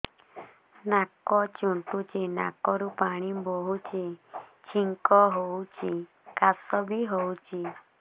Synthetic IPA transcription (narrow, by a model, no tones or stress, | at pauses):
nakɔt͡ʃunt̪ut͡ʃena̰kɔɾupaɽ̃iboɦut͡ʃet͡ʃʰiŋkɔɦowt͡ʃʰi | kasɔbʱiɦowt͡ʃʰi